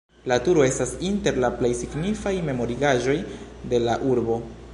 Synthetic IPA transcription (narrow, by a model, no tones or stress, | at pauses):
latuɾo̞e̞stasinte̞ɾlaple̞jsiɡnifajme̞mo̞ɾiɡaʒo̞jde̞laʔuɾbo̞